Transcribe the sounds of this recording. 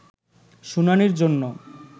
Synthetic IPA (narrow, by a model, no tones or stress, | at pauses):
ʃunaniɾd͡ʑonːo